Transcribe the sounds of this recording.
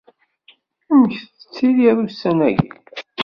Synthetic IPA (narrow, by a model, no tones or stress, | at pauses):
æməçt͡sːə̥t͡sːiðjiðusːænæ̰ʝḭ